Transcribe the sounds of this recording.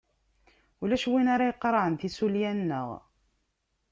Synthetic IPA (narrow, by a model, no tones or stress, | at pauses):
ulæʃwinaɾajəqːɾˤɑʕənθisuljænnːə̰ʁ